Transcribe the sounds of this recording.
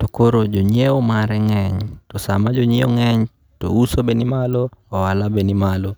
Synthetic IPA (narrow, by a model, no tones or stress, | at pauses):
tokoɾod͡ʒoɲɛomaɾɛŋɛɲtɔsa̰mad͡ʒoɲiɔŋɛɲ | to̰usobenimaloːwalabenimalɔ